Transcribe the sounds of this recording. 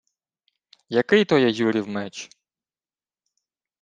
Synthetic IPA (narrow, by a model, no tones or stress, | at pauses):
jɐkɪjt̪ɔjɛjuɾʲiwmɛt͡ʃ